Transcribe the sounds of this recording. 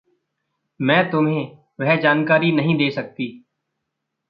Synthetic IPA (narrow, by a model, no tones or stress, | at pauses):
mɛ̃ːt̪ʊmɦẽ | ʋɛɦɛd͡ʒaːnkaːɾinɐɦĩd̪eːsɐk̚t̪iː